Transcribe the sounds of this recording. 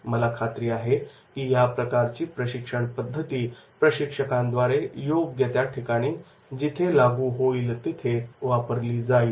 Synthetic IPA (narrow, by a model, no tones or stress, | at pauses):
məlakʰat̪ɾiːaɦekiːjapɾəkaɾt͡ɕiːpɾəɕikʂəɳpəd̪ʱːət̪iːpɾəɕikʂəkãnd̪ʋaɾejoɡɡet̪jaʈʰikaɽ̃iː | d͡ʑit̪ʰelaɡuːɦoiːlt̪it̪ʰeʋapəɾliːd͡zaiː